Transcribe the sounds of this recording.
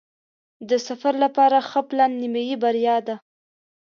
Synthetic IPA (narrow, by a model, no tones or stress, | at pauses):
d̪əsafaɾlapɑɾaxəplanːimajibaɾjɑd̪a